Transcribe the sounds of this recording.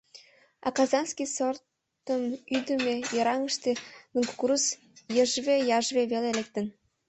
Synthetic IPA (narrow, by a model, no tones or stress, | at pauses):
ɑ̰kɑzɑnskisort̪ | əmyd̪ə̆mejɤ̆ɾɑŋə̆ʃt̪enuŋkkuɾus | jəʒβejɑʒβeβelelek̚t̪ə̆n